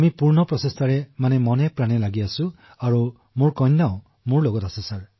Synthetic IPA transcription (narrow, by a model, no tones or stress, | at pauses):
amipuɾnɔpɾɔsest̪ʰaɾemanemɔnepɾanelaɡiasu | aɾu | muɹkɔjnːaõ | muɹloɡɔt̪asusaɹ